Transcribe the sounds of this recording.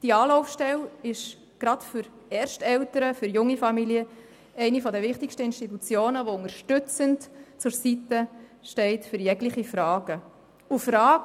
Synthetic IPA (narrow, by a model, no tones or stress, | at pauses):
d̥iɑːlɔʊfʃtɛlɪʃ | ɡ̥ɾɑtfʏɾ | ɛːrʃtɛltəɾəfʏɾjʊŋːifɑmiliə | ɛɪnifɔdəʋɪχtɪkʃtəɪnʃtitut͡sjoːnəʋoʊŋəɾʃtʏt͡səntt͡sʊɾsitəʃtɛɪtfʏɾjɛɡlɪχifɾɑːɡ̥ə | ufɾɑːɡ